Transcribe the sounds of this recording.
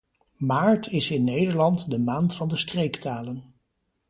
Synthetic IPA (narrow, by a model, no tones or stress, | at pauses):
maːɹtɪsɪnːejdəɹlɑntdəmaːntfɑndəstrejktaːlən